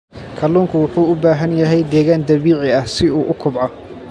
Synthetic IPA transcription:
kʰɐluːŋkʰʊwʊħuːʊbaːɦɐnjɐɦɛjd̪ɛːɣaːnd̪ɐβiːʕɪɐhsɪuːʔʊkʰʊbʕɑ

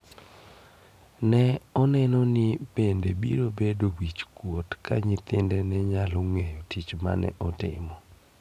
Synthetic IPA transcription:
nɛɔnɛnɔnɪpendebḭɾobedowit͡ʃkwotkʰa̰ɲɪt̪ɪndɛnɛɲaloŋejotit͡ʃma̰nɛ̰ʔɔtɪ̰mɔ

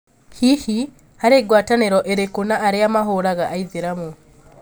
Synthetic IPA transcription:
kʰihi | haɾeɡwaːtaneɾoʔeɾekunaːɾeamaɦuɾaɣaʔːiziɾamu

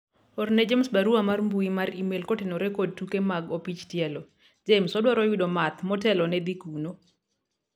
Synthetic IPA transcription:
ɔrnɛd͡ʒemsbaɾuamarmbuimaɾimelkotenɔɾɛkod̚tukemaɡopit͡ʃtjɛlɔ | d͡ʒemsɔdwaɾɔwidɔmat̪mɔtɛlɔnɛd̪ikuno

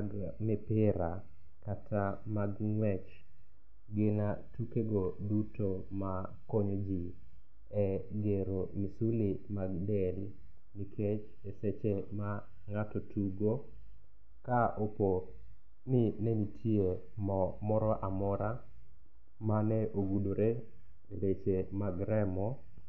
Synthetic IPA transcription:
ɡmɛpɪɾa | katʰamaɡŋwɛt͡ʃ | ɡɪnatukeɡodutoma | koɲod͡ʒi | ɛɡeɾomisulimaɡdɛl | nikʰet͡ʃ | eset͡ʃema | ŋatɔtuɡo | kaʔopo | nɪnɛnitʰie | mɔmɔɾɔʔamɔɾa | manɛʔoɡudoɾe | elet͡ʃemaɡɾɛmɔ

